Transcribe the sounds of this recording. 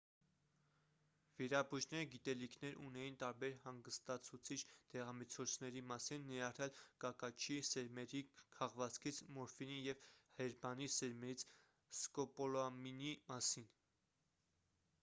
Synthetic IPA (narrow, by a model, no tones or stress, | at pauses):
viɾɑbuʒnɛɾəɡit̪ɛlikʰnɛɾunɛjint̪ɑɾbɛɾhɑŋɡəst̪ɑt͡sʰut͡sʰit͡ʃʰd̪̥ɛʁɑmət͡sʰɔt͡sʰnɛɾimɑsinːijɑrɛlkɑkɑt͡ʃʰisɛɾmɛɾikʰɑʁvɑt͡skʰit͡sʰmɔɾfinijɛvhɛɾbɑnisɛɾmɛɾit͡sʰ | skɔpɔlɔminimɑsin